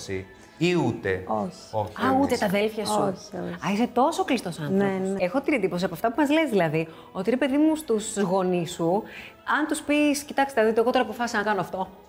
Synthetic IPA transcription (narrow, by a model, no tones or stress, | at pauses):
sḭ | iut̪ḛoç̥oçɐut̪et̪ɐðe̞lfçɐssuoç̥o̰ɐiset̪o̞so̞klist̪o̞sɐnnenexo̞t̪inend̪ipo̞siɐpɐft̪ɐpumɐzle̞zðilɐði | o̞t̪iɾe̞pe̞ðimust̪usɣo̞nisu | ɐnt̪uspiscit̪ɐkst̪eɐðit̪eɣot̪oɾɐːpo̞fɐsisnɐkɐnoɐft̪o̞